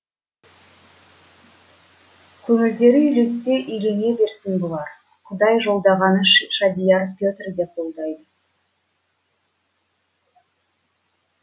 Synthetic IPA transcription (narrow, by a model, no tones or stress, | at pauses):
kʲʰɵŋɪld̪e̞ɾɪʏle̞se̞ʔʏjɾe̞ne̞be̞ɾsɪnbolˠɑɾ | qʰʊd̪ɑjʒo̞lˠd̪ɑʁɑnəʃʃɑd̪ijɑrpʲjot̪ʲrd̪e̞p̚ʰo̞lˠd̪ɑjd̪ə